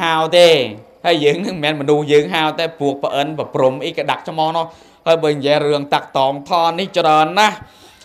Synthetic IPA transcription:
awt̪eː | həjjəːŋnɨŋmɛːnmɔnuhjəːŋɦaːwt̪aːpuək̚pəʔənpəprumʔiːkaɗak̚t͡ɕʰmɑːhnʊ̆əh | haːjɓaːɲjiərɨəŋt̪ak̚t̪ɑːŋt̪ʰɑːniht͡ɕraənːah

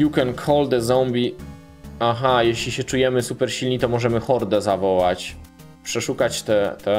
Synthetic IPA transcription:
jukɛnkʰɔld̪ɛzɔmbʲi | axajeɕlʲiɕɛt͡ʂujɛmɘsupɛɾɕilɲit̪ɔmɔʐɛmɘxɔɾd̪ɛzavɔwat͡ɕ | pʂɛʂukat͡ɕt̪ɛt̪ɛ

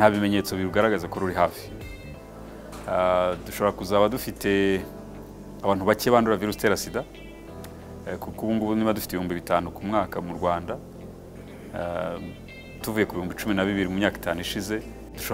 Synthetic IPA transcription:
nhaβime̞ɲe̞t͡so̞βiɾuɡaɾaɡazakoɾuɾiɦaːfi̥ | duʃoβo̞ɾakuzaːβadufite̞ | aβaːnhuβaceβaːnduɾaviɾusteɾasida | kukuβuːŋɡuβunimadufi̥teihuːmbiβitaːnukumŋaːkamuɾɡwaːnda | tuvuje̞kuβihuːmbit͡ʃuminaβiβiɾimumɲaːki̥taːnuiʃize̞ | duʃo

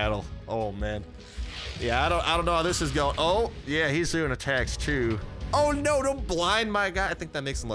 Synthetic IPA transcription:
ɾl̩ˠʔoʊmæ̃n | jæaɪɾõʊ̃nʔaɪɾõʊ̃nːoʊhaðɪsɨzɡoʊ̃ʔoʊjæhizdʉɪ̃ŋɨtʰækstʰʉoʊnoʊɾõʊ̃n̚b̥lãɪ̃nmaɪɡɑʃaɪθɪ̃ŋk̚ðɨt̚meɪksə̃l

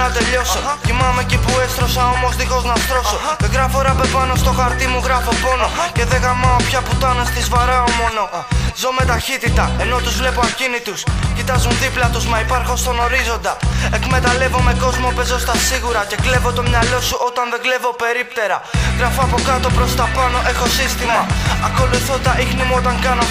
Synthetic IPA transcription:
nɐt̪e̞ʎo̞socimɐme̞cipue̞st̪ɾo̞sɐo̞mo̞zðixo̞znɐst̪ɾo̞so̞t̪eɡɾɐfoɾɐpepɐno̞st̪o̞xɐɾt̪imuɣɾɐfo̞po̞no̞ce̞ðe̞ɣɐmɐopçɐput̪ɐnest̪izvɐɾɐomo̞no̞zo̞me̞t̪ɐçit̪it̪ɐe̞no̞t̪uzvle̞po̞ɐcinit̪uscit̪ɐzunðiplɐt̪uzmɐipɐɾxost̪o̞no̞ɾizo̞nd̪ɐe̞kme̞t̪ɐle̞vo̞me̞ko̞zmo̞pe̞zo̞st̪ɐsiɣuɾɐce̞kle̞vot̪o̞mɲɐlo̞suʔo̞t̪ɐnðe̞ɡle̞vo̞pe̞ɾipt̪e̞ɾɐɣɾɐfoɐpo̞kɐt̪o̞pɾost̪ɐpɐno̞ʔe̞xosist̪imɐːko̞luθod̪ɐixnimuo̞t̪ɐŋkɐno̞

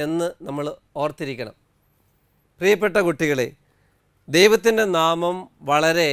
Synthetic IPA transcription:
e̞nːɨnɐmːɐɭ | o̞ːrt̪iɾikʲːɐɳɐ̰m | prijɐpːeʈːɐkuʈːiɣɐɭḛ | d̪ejʋɐt̪ːinde̞naːmɐmʋɐɭɐɾe̞

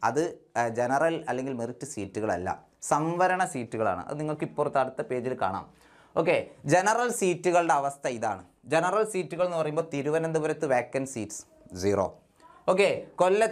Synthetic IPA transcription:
ɐ̰ðɨd͡ʑenɐrɐlɐlːe̞ŋɡilmiritːɨsiːtːuɣɐɭɐ̰lːɐ̰ | sɐmʋɐɾɐɳɐsiːtːuɣɐɭa̰ːɳɨ̰ʔɐ̰ðɨniŋːɐɭkipːort̪ːɐɽut̪ːɐpe̞ːd͡ʑilka̰ːɳa̰ːm | o̞ːk̬ːe̞d͡ʑe̞nɐrɐlsiːtːuɣɐɭɨɽeɐʋɐst̪ʰɐiða̰ːɳɨ | d͡ʑe̞nɐrɐlsiːtːuɣɐɭe̞nːɨpɐrɐjumboːt̪iɾuʋɐnend̪ubɐɾɐt̪ːɨʋeːkːɐnsiːʈs | d͡ʑiːro̰ː | o̞ːk̬ːe̞ko̞lːɐ

